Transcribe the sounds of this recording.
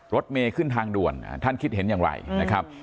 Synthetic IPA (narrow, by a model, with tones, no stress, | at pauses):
ɾo˦˥t̪̚meː˧kʰɯ˥˩nt̪ʰaː˧ŋdu˨˩ən̰˧˩t̪ʰa˥˩nkʰi˦˥t̪̚he˩˦njaː˨˩ŋɾa̰˧˩jna˦˥kʰɾa˦˥p̚